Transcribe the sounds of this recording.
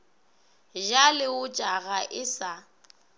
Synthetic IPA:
ʒalɪʊt͡ʃʼaɣaʔɪsa

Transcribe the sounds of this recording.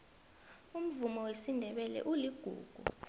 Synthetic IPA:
um̩vumɔwesindʱɛɓɛlɛ̰ʔuliɡ̥ʱṵːɡ̥ʱṵ

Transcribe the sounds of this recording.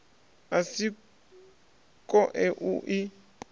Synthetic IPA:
asi | kʼɔʔɛʔuʔi

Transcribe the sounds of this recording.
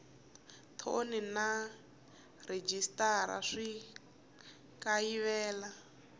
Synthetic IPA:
t̪ʰo̰nina | red͡ʒistaɾa̰ʂi | kaiβɛːla

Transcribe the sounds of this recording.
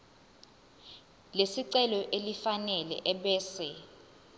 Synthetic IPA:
lesiǀɛlɔʔelifanɛlɛ̰ʔɛɓɛːsɛ

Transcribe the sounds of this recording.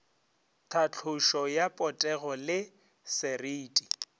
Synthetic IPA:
tʰat͡ɬʰʊʃɔjapʼɔtʼɛɣɔlɪ | sɛriːtʼi

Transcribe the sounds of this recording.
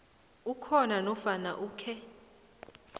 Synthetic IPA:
ukʰɔnanɔfana̰ʔuːkʰɛ

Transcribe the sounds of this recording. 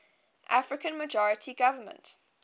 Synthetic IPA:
ʔafɹɪkə̃nməd͡ʒɔɹətʰiɡavəmə̰̃nt

